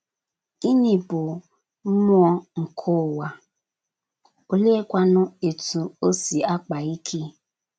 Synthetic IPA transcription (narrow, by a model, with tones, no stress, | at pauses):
i˦ni˨bʊ˨˦ | m˦ɔ˦ŋ̩˨kʰʊ˦˨wa˨ | o˦le˦kʷa˦nʊ˦e˨tu˨o˦si˨a˦k͡pa˨i˦kʰe˦